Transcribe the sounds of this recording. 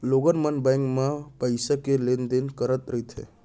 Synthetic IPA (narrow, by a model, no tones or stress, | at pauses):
loɡənmənbajŋkmapəjsakelend̪enkəɾət̪ɾəjt̪ʰḛ